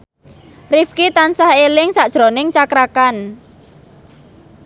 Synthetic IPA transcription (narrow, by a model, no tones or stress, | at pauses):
rifkit̪ansahelɪŋsaʔd̥ʒ̥ɾonɪŋt͡ʃakɾakan